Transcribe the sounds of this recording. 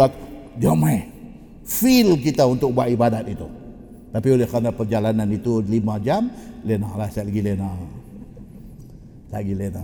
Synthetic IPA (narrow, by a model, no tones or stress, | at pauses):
at̪ | d͡ʒama | filkit̪aunt̪ʊk̚buaʔibadat̪it̪u | t̪apiolɪhkanapərd͡ʒalananit̪ulimãd͡ʒamlenalahsaʔlaɡilena | t̪aɡilena